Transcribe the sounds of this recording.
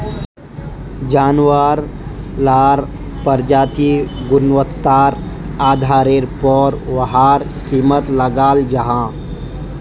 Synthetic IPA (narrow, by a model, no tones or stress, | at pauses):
d͡ʒaːnwaɾlaːɾ | pəɾd͡ʒaːt̪iɡʊnʋət̪ːaːɾ | aːd̪ʱaːɾeɾpɔːɾʋəɦaːɾ | kiːmət̪ləɡaːld͡ʒəɦãː